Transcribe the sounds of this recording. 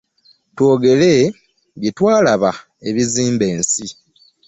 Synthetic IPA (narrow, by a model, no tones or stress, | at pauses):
two̞ːɡe̞le | ɡetwaːlaβa | e̞βiziːmbe̞ːnsi